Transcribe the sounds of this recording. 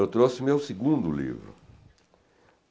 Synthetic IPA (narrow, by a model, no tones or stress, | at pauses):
lʊt̪ɾosɪmɪawsiɡũnd̪ʊlḭvɾʊ̰